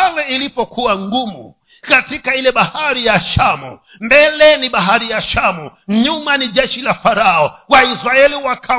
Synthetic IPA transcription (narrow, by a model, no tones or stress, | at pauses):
alɛilipɔkʰuwaŋɡumṵ | katikailɛɓahaɾijaʃamṵ | mbɛlɛniɓaɦaɾijaʃamuɲumaniʄɛʃilafaɾaɔwaisɾaɛliwakʰa